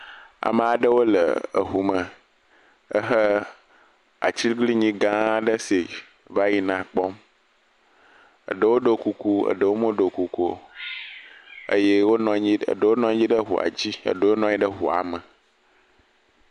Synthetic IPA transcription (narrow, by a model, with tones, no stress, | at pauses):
a̰˨mə̃˨a˨ɖə˦wo˦lə̰˨ə̰˨ɦu˨mə̃˨ | ə˦ɦə˦ | a̰˨t͡ʃɾi˦ɡli˦ɲĩ˦ɡã˦ɖə˦se˨ | va˦ji˦nã˨k͡pɔ˦m | ə̰˨ɖə˦wo˦ɖo˦ku˨ku˦ə̰˨ɖə˨wo˦mõ˦ɖo˨ku˨ku˦o̰˨ | ə̰˦je˦wo˦nɔ̃˨ɲĩ˦ə̰˨ɖə˦wo˦nɔ̃˦ɲĩ˦ɖə˦ɦṵ˨a̰˨d͡ʑi˦ə̰˨ɖə˦wo˦nɔ̃˦ɲĩ˦ɖə˦ɦu˨a̰˨mə˨